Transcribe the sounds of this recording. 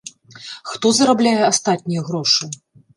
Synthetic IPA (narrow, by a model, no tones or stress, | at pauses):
xt̪ɔzɐɾablʲajɛast̪at̪̚ʲnʲijɛɣɾɔʂɨ